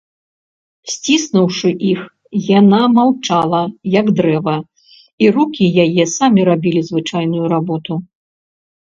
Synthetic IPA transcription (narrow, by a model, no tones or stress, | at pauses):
sʲt͡sʲisnuwʂɨʔix | janamawt͡ʂalˠɐjɐɡd̪ɾɛvɐ | irukʲijajɛsamʲiɾabʲilʲizvɨt͡ʂajn̪ujuɾabɔt̪u